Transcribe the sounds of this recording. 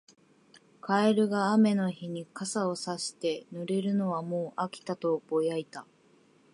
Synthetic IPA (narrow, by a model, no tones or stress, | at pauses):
kʰaeɾɯ̟ɡaːme̞no̞çiɲ̟ikasao̞saɕi̥t̪e̞nɯɾe̞ɾɯ̟no̞βamoːʔakʲi̥t̪at̪o̞b̥o̞jait̪a